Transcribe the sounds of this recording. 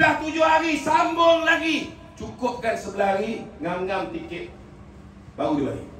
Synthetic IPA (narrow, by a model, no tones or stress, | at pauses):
laht̪ud͡ʒʊhaɾisambʊŋlaɡi | t͡ʃukʊp̚kansəbəlahaɾiŋaŋɡamt̪ikɪt̪̚ | baudila̰ɡḭ